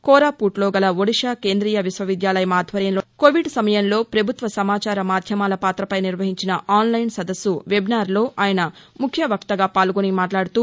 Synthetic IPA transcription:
kɔːɾaːpuːʈlɔːɡɐlɐʋoɽiʂaːke̞ːnd̪ɾiːjɐʋisʋɐʋid̪jaːlɐjɐmaːd̪ʱʋɐɾjɐnloːkoʋiɖsɐmɐjɐnlo̞ːpɾɐbʱut̪ʋɐsɐmaːt͡ʃaːɾɐmaːd̪ʱjɐmaːlɐpaːt̪ɾɐpɐjniɾʋɐɦiɲt͡ʃinɐʔaːnlɐjnsɐd̪ɐsːuʋebnaːɾlo̞ːʔaːjɐnɐmukʰjɐʋɐkt̪ɐɡaːpaːlɡonimaːʈlaːɽut̪uː

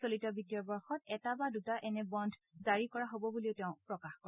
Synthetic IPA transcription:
solitɔbitijɔbɔɹxɔtɛtabadutaʔɛnɛbɔndʱzaɹikɔɹaɦobɔbuliʊtɛʊ̃pɹɔkaxkɔ

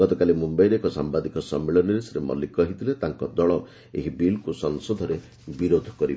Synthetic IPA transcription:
ɔt̪ɔkalimumbajɾeekɔsambad̪ikɔsɔmːeɭɔniɾesɾemɔ̰likɔɦit̪ʰilet̪aŋkɔd̪ɔɭɔ | eɦibilkusɔŋsɔd̪ʱɔɾe | biɾod̪ʱɔ̥kɔɾib

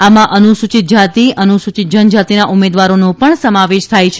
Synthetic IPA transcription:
amãʔənusut͡ʃit̪̚d͡ʒat̪iənusut͡ʃit̪̚d͡ʒənd͡ʒat̪inaʔumed̪ʋaɾonõpəɳsəmaʋeʃt̪ʰajt͡ʃʰ

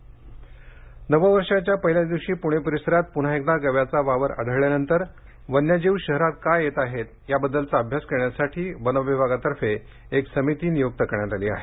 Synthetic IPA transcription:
nəʋəʋəɾʂat͡ɕjapəɦiljad̪iʋɕiːpuɽ̃epəɾisəɾat̪̚pun̤aek̚d̪aɡəʋjat͡saʋaʋəɾə̰ɽ̤əɭjanənt̪əɾ | ʋənjad͡ʑiʋɕəɦɾat̪̚kajet̪aɦet̪ | jabəd̪ːəlt͡saəbʱjaskəɾɳjasaʈʰiːʋənəʋjəbʱaɡat̪əɾfe | eksəmit̪iːnijoɡ̚t̪əkəɾɳjat̪aliːa̰ɦe

